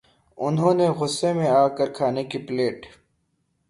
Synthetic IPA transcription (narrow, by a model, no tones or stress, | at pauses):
ʊnɦõːneɣʊsːemẽaːkɐɾkʰaːnekipleːʈ